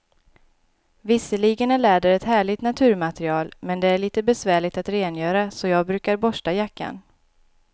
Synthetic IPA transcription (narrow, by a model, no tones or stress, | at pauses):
vɪsːəɭiɡənæɭɛːd̪əɾɛt̪hæːɭɪt̪nat̪ʰʉ̟ːɾmat̪ɾɪɑːlmɛnd̪ɛæɭiːt̪əbɛsvæːɭɪɡ̚t̪at̪ɾeːnjœːɾasɔjɑːɡ̚bɾʉ̟ːkaɾbɔʂʈajakːa̰n